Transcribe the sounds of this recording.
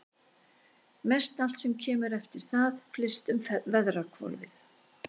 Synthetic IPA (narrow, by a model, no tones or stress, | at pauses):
mɛst̪al̥t̪sɛmcʰɛːmʏɾɛft̪ɪɾ̥θaðflɪst̪ʏmvɛðrakʰvɔ̰lvɪ̰θ